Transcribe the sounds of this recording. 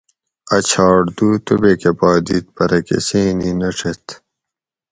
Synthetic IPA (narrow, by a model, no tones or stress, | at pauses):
ɐt͡ɕʰɑːɽd̪uːt̪ubekepɑːd̪it̪̚pɐɾɐkḛsiːninɐʈ͡ʂʰet̪